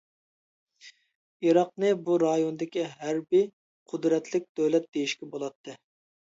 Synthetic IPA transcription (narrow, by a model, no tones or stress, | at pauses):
iɾɑq̚nɨbuɾɑjonɨd̪ɪkʲiɦæɾbij | qʰʊd̪ɾɛt̪ʰlɪk̚ʲd̪̥øwlɛt̪̚d̪̥ejiʃkʲɛbolˠɑt̪ʰːɨ